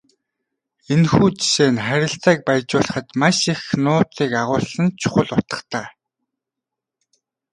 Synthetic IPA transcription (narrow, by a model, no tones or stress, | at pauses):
enxuːt͡ɕi̥ʃeːnχæɾʲɪ̆ɬt͡sæːk̚pæjt͡ɕʊːɮə̆χə̆t̪maʃexnʊːt͡siːkaʁʊːɮsə̆nt͡ɕʰʊ̥χə̆ɮʊt̪ə̥̆χt̪aː